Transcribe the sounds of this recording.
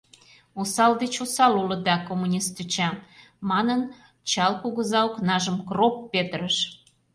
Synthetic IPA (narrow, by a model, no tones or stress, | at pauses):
usɑld̪et͡ɕusɑlulə̆d̪ɑkomunʲist̪yt͡ɕɑ | mɑnən | t͡ɕɑlkuɣəzɑuknɑʒəmkropːet̪ɾəʃ